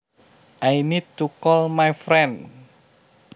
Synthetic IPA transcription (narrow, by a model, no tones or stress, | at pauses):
ʔainidt̪ukɔlmajfɾɛn